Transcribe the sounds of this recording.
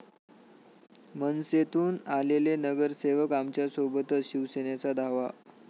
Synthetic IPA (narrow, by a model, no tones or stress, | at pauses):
mənset̪uːnalelenəɡəɾseʋəkamt͡ɕjasobət̪ət͡sɕiʋsenjat͡sad̪aʋa